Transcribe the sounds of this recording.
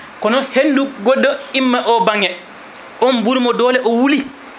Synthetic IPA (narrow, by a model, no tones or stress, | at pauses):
kɔnɔhenduɡodːɔimːaʔɔbaŋɛ | ʔɔnbuɾmɔdɔːlɛʔɔwuli